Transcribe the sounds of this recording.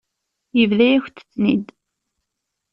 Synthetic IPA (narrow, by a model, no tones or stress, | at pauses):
jəvðæjæçʷt͡sːə̥t͡sːnḭd̪